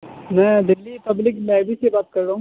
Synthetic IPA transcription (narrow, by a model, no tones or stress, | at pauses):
mɛ̃d̪ɪlːipɐblɪklaːɪbisebaːt̪̚kɐɾɾaũ